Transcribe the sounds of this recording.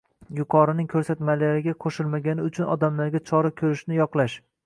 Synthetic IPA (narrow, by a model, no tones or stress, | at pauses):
jʊqʰɒɾɪnɪŋkʲʰɵɾsat̪malaɾɪɡʲaqʰoʃɪlmaɡʲanɪʊt͡ʃʰʊnɒd̪amlaɾɡʲat͡ʃʰɒɾakʲʰɵɾɪʃnɪjɒqlˠaʃ